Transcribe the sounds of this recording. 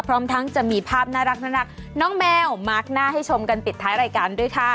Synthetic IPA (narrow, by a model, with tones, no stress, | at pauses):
pʰɾɔː˦˥mt̪ʰa˦˥ŋt͡ɕa˨˩miː˧pʰaː˥˩p̚naː˥˩ɾa˦˥k̚naː˥˩ɾa˦˥k̚ | nɔː˦˥ŋmɛː˧wma˧˥˩k̚naː˥˩ɦa˥˩jt͡ɕʰo˧mka˧npi˨˩t̪ʰːaː˦˥jɾaː˧jkaː˧ndu˥˩jkʰa˥˩